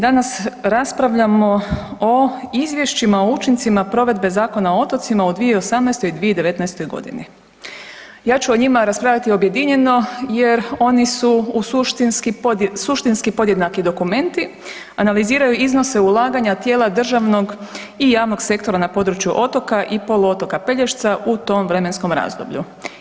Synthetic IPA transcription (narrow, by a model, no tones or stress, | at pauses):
d̪anasɾaspɾaʋʎamo̞oizʋje̞ʃt͡ɕimaout͡ʃint̪simapɾo̞ʋe̞d̪be̞zaːko̞naoo̞t̪o̞t̪simaod̪ʋijeo̞samnɛjst̪o̞jid̪ʋijed̪e̞ʋe̞t̪nɛjst̪o̞jɡo̞̰d̪ḭnḭ | jaːt͡ʃuoɲimaɾaspɾaːʎat̪io̞bje̞d̪iɲe̞no̞je̞ɾo̞nisuusuʃt̪inskisuʃt̪inskipo̞d̪jed̪nakid̪o̞kume̞nt̪i | analiziːɾajuizno̞se̞ulˠaːɡaɲat̪je̞ːlˠad̪r̩ʒaʋno̞ɡ | ijaːʋno̞ɡse̞kt̪o̞ɾanapo̞d̪ɾut͡ʃjuʔo̞t̪o̞kaʔipo̞loot̪o̞kapeʎeʃt̪saʔut̪o̞mvɾe̞me̞nsko̞mɾa̰ːzd̪o̰bʎṵ